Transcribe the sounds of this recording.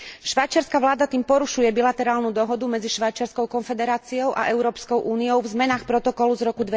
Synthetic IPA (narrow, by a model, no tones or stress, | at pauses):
ʃʋajt͡ʃɪaɾskaʋlaːd̪at̪iːmpɔɾuʃujɛbilat̪ɛɾaːlnud̪ɔɦɔd̪umɛd͡ziʃʋajt͡ʃɪaɾskɔʊkɔnfɛd̪ɛɾaːt͡siɔʊʔa̰ʔɛʊɾɔːpskɔʊʔuːnijɔʊvzmɛnaːxpɾɔt̪ɔkɔluzɾɔkud̪ʋɛ